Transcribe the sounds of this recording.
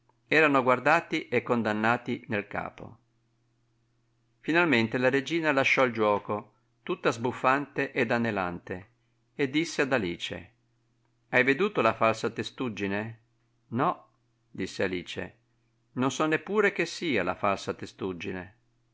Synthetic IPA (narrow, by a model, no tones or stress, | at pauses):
ɛːɾanoɡward̪aːt̪iʔekːond̪anːaːt̪inelka̰ːpo̰ | finalment̪elaɾed͡ʒiːnalaʃːɔld͡ʒwɔːko | t̪ut̪ːazbufːant̪eʔed̪anːela̰nt̪e | ed̪ːisːead̪aliːt͡ʃḛ | ajved̪uːt̪olafalsat̪est̪ud͡ʒːine | nɔ | d̪isːealiːt͡ʃḛ | nonsɔnːepːuːɾek̟esːiːala̰falsat̪est̪ud͡ʒːinḛ